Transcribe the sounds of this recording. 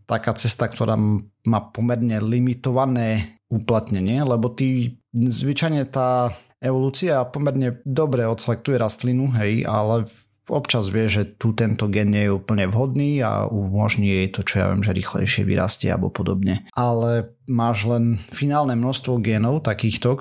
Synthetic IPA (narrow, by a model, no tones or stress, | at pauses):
t̪akaːt͡sɛst̪ak̚t̪ɔɾa̰ːmaːpɔmɛɾɲɛlimit̪ɔʋanɛːuplat̪ɲɛɲɪɛlɛbɔt̪iːzʋit͡ʃajɲɛt̪aː | ɛʋɔluːt͡siapɔmɛɾɲɛd̪ɔbɾɛɔt̪t͡sɛlɛk̚t̪ujɛɾast̪linuɦɛja̰lɛ | ɔpt͡ʃazʋɪɛʒɛt̪ut̪ɛnt̪ɔɡɛːnɲɛjɛupl̩ɲɛʋɦɔd̪niːa̰umɔʒɲijɛjt̪ɔt͡ʃɔja̰ʋɪɛ̰mʒɛɾḭːxlɛ̰jʃɪɛ̰ʋḭɾa̰scɛ̰a̰bɔ̰pɔd̪ɔbɲɛʔalɛ | maːʒlɛnfinaːlnɛmnɔst̪ʋɔɡɛːnɔʊt̪akiːxt̪ɔ